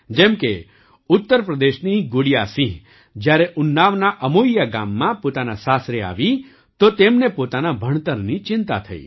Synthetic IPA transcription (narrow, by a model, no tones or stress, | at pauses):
d͡ʒɛ̃mke | ʊt̪ːəɾpɾəd̪eʃniɡoɽijasĩ | d͡ʒjaɾeʔʊnːaʋnaʔəmoijaɡa̰mːãpot̪anasasɾea̰ːʋi | t̪ot̪emnepot̪anabʱəɽ̃t̪əɾnit͡ʃɪ̃nt̪a̰t̪ʰəḭː